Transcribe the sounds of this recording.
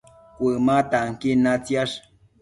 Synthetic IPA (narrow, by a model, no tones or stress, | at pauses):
kʷɨmat̪aŋkinat͡sjaʂ